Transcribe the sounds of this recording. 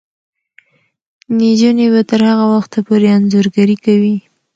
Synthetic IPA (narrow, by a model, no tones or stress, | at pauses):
nid͡ʒonebat̪əɾhaɣawaxt̪apoɾeanzoɾɡaɾikawi